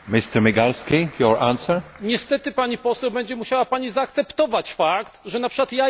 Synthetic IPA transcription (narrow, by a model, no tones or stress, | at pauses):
mɪst̪ɛɾmiɡalskʲijɔɹãnsɛɹɲɛst̪ɛt̪ɘpaɲipɔsɛwbɛɲd͡ʑɛmuɕawapaɲizaːk̚t̪sɛpt̪ɔvat͡ɕfakt̪ʐɛnapʂɨ̥kwat̪ja